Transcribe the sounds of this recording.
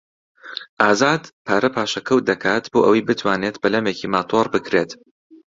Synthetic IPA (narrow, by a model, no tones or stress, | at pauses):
ʔaːzaːd̪pʰaːɾɐpʰaːʃɐkʰɐw̚d̪ɐkʰaːt̪boːʔɐwijbɨt̪ʰwaːneːt̪bɐlɐmeːciːmaːt̪ʰoɾbɨkɾet̪